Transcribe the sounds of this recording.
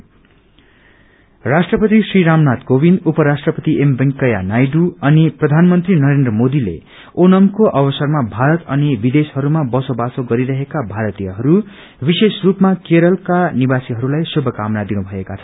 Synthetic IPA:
rasʈrʌpʌt̪isriɾamnat̪kobind̪upʌɾasʈrʌpʌt̪iʔembʌŋkʌja̰najɖuʌniprʌd̪ʱanmʌnt̪rinʌɾend̪rʌmod̪ilḛ | onʌmkoʔʌbʌsʌrmabʱaɾʌt̪ʌnibid̪eshɦʌɾumabʌsobasoɡʌɾiɾʌɦekabʱaɾʌt̪ijʌɦʌɾu | bisesrupmakeɾʌlkanibasiɦʌɾulajsobʱːʌkamnad̪inubʱʌekat͡sʰʌn

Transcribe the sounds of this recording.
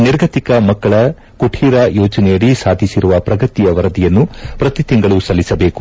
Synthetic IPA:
niɾɡʱɐt̪ikɐmɐkːɐɭɐ | kuʈʰiːɾɐjoːd͡ʒɐnɛjɐɭisaːd̪ʱisiɾuʋɐpɾɐɡɐt̪ijɐʋɐɾɐd̪ijɐnːupɾɐt̪it̪iŋɡɐɭusɐlːisɐbe̞ːku

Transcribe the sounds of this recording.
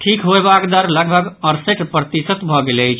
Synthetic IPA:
ʈʰikɦobakd̪əɾləɡbʱəɡəɾseʈpɾət̪isət̪bʱɔɡeləjt͡ʃʰ

